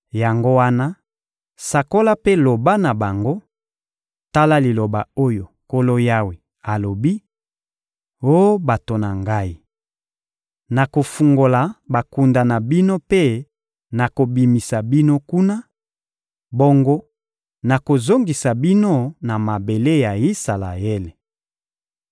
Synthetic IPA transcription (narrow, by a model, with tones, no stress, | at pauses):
ja˨ŋɡo˦wa˦na˦ | sa˨ko˦la˦pe˦lo˨ba˦na˨ba˨ŋɡo˦ | ta˦la˦li˨lo˨ba˨o˦jo˨ko˦lo˦ja˦wi˨ | a˨lo˨bi˦ | o˦ba˨to˨na˨ŋɡa˦i˦ | na˨ko˨fu˨ŋɡo˨la˨ba˨ku˨nda˨na˨bi˦no˦pe˦ | na˨ko˨bi˨mi˨sa˨bi˦no˦ku˦na˦ | bo˦ŋɡo˦ | na˨ko˨zo˦ŋɡi˨sa˨bi˦no˦na˨ma˨be˨le˦ja˨i˦sa˨la̰˨e˦le˨